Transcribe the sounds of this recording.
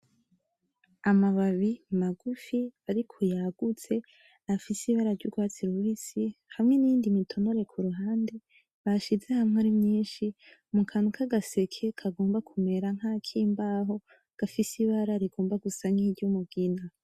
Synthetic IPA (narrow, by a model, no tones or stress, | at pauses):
amaβaβimaɡufiβaɾikʰujaɡ̥ut͡se̞ | afisiβaɾaɾɟuɡwaːt͡siɾuwisihamŋe̞nijiːndimitʰo̞no̞ɾe̞kʰuɾuɦaːnde | βaʃize̞hamŋaɾimɲiːnʃimukʰanukʰaɡase̞kʰekʰaɡo̞ːmbakʰume̞ɾaŋ̥haːkʰiːmbaːɦo̞ | ɡ̥afisiβaɾaɾiɡo̞ːmbaɡusaŋ̥iɟumuɡina